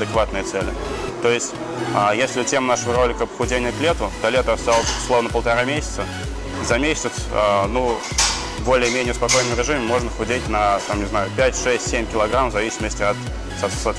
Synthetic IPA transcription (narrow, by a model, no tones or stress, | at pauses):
d̪ɨkvat̪nɨjət̪sɛlʲɪ̰ | t̪o̞jɪsʲtʲ | ajesʲlʲɪʊtʲe̞mnaʂəvəɾo̞lʲɪkəpə̥xʊdʲenʲɪjəklʲe̞t̪ʊd̪ɐlʲet̪əɐst̪alˠəsʲslˠo̞vnəpəlˠt̪ɐɾamʲesʲɪ̥t̪sə | zɐmʲesʲtʲɪt̪ənu | bo̞lʲɪjəmʲenʲɪjəspɐko̞jnəmɾʲɪʐɨmʲɪmo̞ʐnəxʊdʲetʲnɐt̪amnʲɪznajʊpʲætʲʂɛsʲtʲsʲemʲkʲɪlˠɐɡɾamvzɐvʲisʲɪməsʲtʲɪɐt̪ | sɐt̪sɐt̪